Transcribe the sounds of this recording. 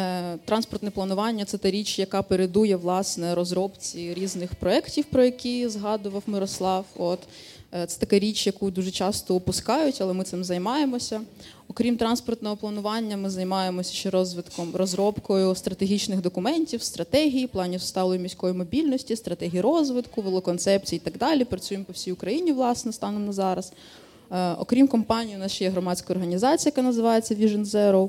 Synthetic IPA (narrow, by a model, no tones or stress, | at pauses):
t̪ɾʔɑnspɔrt̪nɛplˠɐnʊʋɑnʲːɐt̪sɛt̪ɛɾʲit͡ʃjɐkɑpeɾed̪ujɛʋlˠɑsnɛɾɔzɾɔpt͡sʲiɾʲiznɪxpɾɔɛktʲiwpɾɔjɐkʲizɦɑd̪ʊʋɐwmɪɾɔslˠɑwɔt̪ | t̪sɛ̥t̪ɐkɛɾʲit͡ʃjɐkud̪uʒɛt͡ʃɑst̪ɔʊpʊskɑjʊtʲɐlˠɛmɪt̪sɪmzɐjmɑjemɔsʲɐ | ɔkɾʲimt̪ɾɑnspɔrt̪nɔɦɔplˠɐnʊʋɑnʲːɐmɪzɐjmɑjemɔsʲɐ̥ʃt͡ʃɛɾɔzʋɪt̪kɔmrɔzɾɔpkɔjʊst̪ɾɐt̪eɦʲit͡ʃnɪxd̪ɔkʊmɛnʲtʲiwst̪ɾʔɐt̪ɛɦʲijiplˠɑnʲiwʊst̪ɑlˠɔjʊmʲisʲkɔjimɔbʲilʲnɔsʲtʲist̪ɾɐt̪ɛɦʲijiɾɔzʋɪt̪kʊʋelˠɔkɔnt̪sɛp̚t͡sʲijiːt̪ɑɡd̪ɑlʲipɾɐt͡sʲujempɔwsʲijʊkɾɐjinʲiʋlˠɑsnɛst̪ɑnɔnɐzɑɾɐs | ɔ̰kɾʲimkɔmpɑnʲijiʊnɑsʃt͡ʃjɛɦɾɔmɑsʲkɐjɔrɦɐnʲizɑt͡sʲijɐkanɐzɪʋɑjet͡sʲːɐʋʲiʒɪnzɛɾɔw